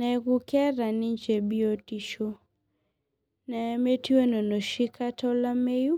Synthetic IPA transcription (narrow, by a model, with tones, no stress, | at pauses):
nɛ˨ɡʊ˦kɛ˦ɾa˨ni˦ɲt͡ʃe˨bi˦o˦ti˨ʃo˦ | nɛ˨˦me˦ti˦we˦no˨no˨ʃi˦kʰa˦tɔ˦la˦me˦ju˦